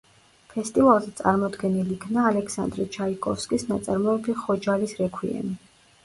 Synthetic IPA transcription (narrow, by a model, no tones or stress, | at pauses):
pʰɛst̪ʼivalˠzɛt̪sʼa̰ɾmɔd̪ɡɛnilikʰnaːlɛksa̰nd̪ɾit͡ʃʰaikʼɔfskʼisnat̪sʼaɾmɔɛbiχɔd͡ʒalisɾɛkʰwḭɛ̰ni